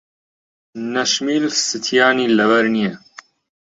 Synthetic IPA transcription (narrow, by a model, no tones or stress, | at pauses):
nɐʃmiːlsɨt̪ʰjaːniːlɐwɐɾnijɛ